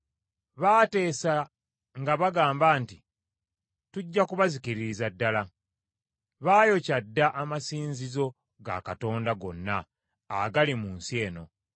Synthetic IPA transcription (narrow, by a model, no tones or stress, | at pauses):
βaːte̞ːsa | ŋɡaβaɡaːmbaːnti | tuɟːakuβazikiɾiɾizadːala | βaːjo̞cadːaʔamasiːnzizo̞ | ɡa̰kato̞ːndaɡo̞̰nːaː | ɡalimuːnsie̞ːno̞̰